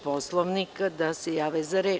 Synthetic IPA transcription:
poslˠoʋnikad̪asejaːʋezaɾeː

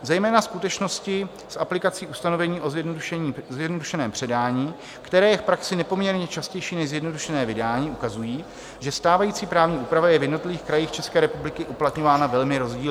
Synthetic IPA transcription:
zɛjmɛːnaskut̪ɛt͡ʃno̞scɪ | sʔaplɪkat͡siːʔust̪ano̞vɛɲiːʔo̞zjɛdnuʃɛɲiːzjɛdnoduʃɛnɛːmpr̥ɛdaːɲiː | kt̪ɛɾɛːjɛfpɾaksɪnɛpo̞mɲɛɾɲɛt͡ʃascɛjʃiːnɛʒzjɛdno̞duʃɛnɛːvɪdaːɲiːʔukazujiː | ʒɛst̪aːvajiːt͡siːpɾaːvɲiːʔuːpɾavajɛvjɛdnot̪lɪviːxkɾajiːxt͡ʃɛskɛːɾɛpublɪkɪʔuplat̪ɲo̞vaːnavɛlmɪɾo̞zɟiːl

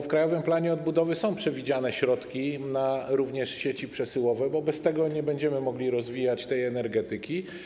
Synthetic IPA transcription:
fkɾajɔvɘmplaɲɛɔd̪̚bud̪ɔvɘsɔ̃w̃pʂɛvʲid͡ʑanɛɕɾɔt̪kʲinaɾuvɲɛʂɕet͡ɕipʂɛsɘwɔvɛbɔbɛst̪ɛɡɔɲɛbɛɲd͡ʑɛmɘmɔɡlʲiɾɔzvʲijat͡ɕt̪ɛjɛnɛɾɡɛt̪ɘkʲi

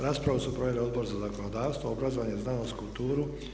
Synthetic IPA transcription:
ɾaːspɾaʋusupɾo̞ʋjelio̞d̪bo̞ɾzazakonod̪aːʋst̪vooɡɾazoʋanjeznaːnoskult̪uːɾu

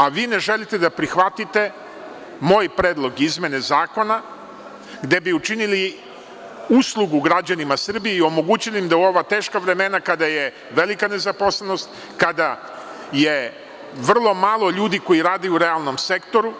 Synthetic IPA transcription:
aʋiːne̞ʒe̞lit̪e̞d̪apɾixʋat̪it̪e̞ | mo̞ːjpɾeːd̪lˠo̞ɡizmʲje̞ne̞zaːko̞na | ɡd̪e̞biut͡ʃinili | uslˠuɡuɡɾad͡ʑanimasr̩bijeio̞mo̞ɡuːt͡ɕiliimd̪auo̞ʋat̪e̞ːʃkaʋɾe̞me̞nakad̪aje̞ | ʋe̞likane̞zaposlˠeno̞st̪ | kad̪a | je̞ | ʋr̩lˠo̞maːlˠo̞ʎuːd̪iko̞jiɾaːd̪euɾealˠno̞mse̞kt̪o̞ɾu

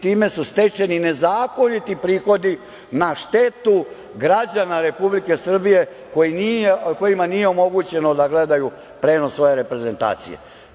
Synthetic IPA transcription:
t̪iːme̞sust̪e̞t͡ʃe̞nine̞zaːko̞nit̪ipɾiːxo̞d̪i | naʃt̪e̞t̪u | ɡɾad͡ʑanaɾe̞publike̞sr̩bije̞ | ko̞jinijeko̞jimanijeo̞mo̞ɡut͡ɕe̞nod̪aɡle̞d̪aju | pɾe̞ːno̞sʋo̞je̞ɾe̞pɾe̞ze̞nt̪a̰ːt̪sḭjḛ

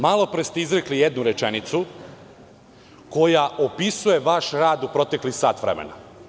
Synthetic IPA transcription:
malˠo̞pɾest̪eizɾeklijed̪nuɾet͡ʃenit̪su | ko̞jaopisuje̞ʋaʃɾaːd̪upɾo̞t̪e̞klixsaːt̪ʋɾḛmḛna̰

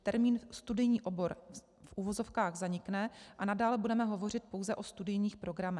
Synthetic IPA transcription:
t̪ɛɾmiːnst̪udɪjɲiːʔo̞bo̞ɾ | fʔuːvo̞zo̞fkaːɣzaɲɪknɛʔanadaːlɛbudɛmɛɦo̞vo̞r̝ɪt̪̚po̞wzɛʔo̞st̪udɪjɲiːxpɾo̞ɡɾamɛx

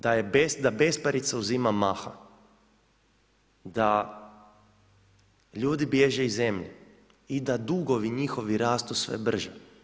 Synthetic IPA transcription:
d̪ajebesd̪abe̞spaɾit̪sauzimamaːxa̰ | d̪a | ʎuːd̪ibje̞ʒeize̞mʎe | id̪ad̪uɡoʋiɲixoʋiɾaːst̪usʋḛbr̩ʒe

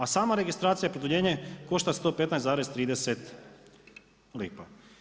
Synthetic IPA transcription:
asaːmaɾe̞ɡist̪ɾaːt̪sijapɾod̪uʎeːɲeko̞ʃt̪ast̪o̞ːpet̪najszaːɾest̪ɾiːd̪eset̪ | liːpa

